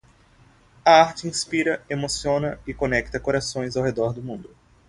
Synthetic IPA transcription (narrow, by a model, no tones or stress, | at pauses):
ɐaɾt͡ʃɪĩspiɾɐemosiõnɐɪkonɛk̚t̪ɐkoɾasõj̃zawɦed̪ɔɾd̪ʊmũnd̪ʊ